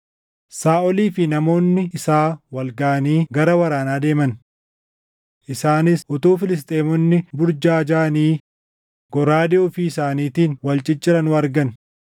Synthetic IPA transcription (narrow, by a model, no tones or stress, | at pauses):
saːʔɔliːfɪnɐmo̞ːnːɪɪsaːwɐlɡɐʔɐniːɡɐɾɐwɐɾaːnaːd̪e̞ːmɐn | ʔɪsaːnɪsʔʊt̪uːfɪlɪs̬t̪ʼe̞ːmɔnːɪbʊɾd͡ʒaːd͡ʒaːniː | ɡ̥ɔɾaːd̪ɪɔfiɪsaːniːt̪iːnwɐlt͡ʃʼɪt͡ʃʼːɪɾɐnʊɐɾɡɐn